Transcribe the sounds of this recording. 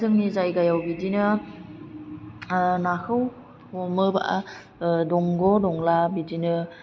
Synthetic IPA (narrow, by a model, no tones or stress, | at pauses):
zʰɯŋnizajɡajawbidinɯ | nahɯw | mɔmɯba̰ʔa | dɔŋɡɔdɔŋlabidinɯ